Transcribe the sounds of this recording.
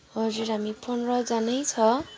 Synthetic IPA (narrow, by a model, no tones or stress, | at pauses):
ɦʌd͡zuɾɦamipʰonrʌd͡zanʌjt͡sʰʌ